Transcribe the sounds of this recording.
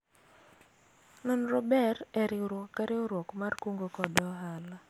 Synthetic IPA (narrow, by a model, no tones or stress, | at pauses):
nɔnɾɔbɛrɛɾiɾwɔkːaɾɛoɾwɔkmarkoŋɡokɔdɔɦala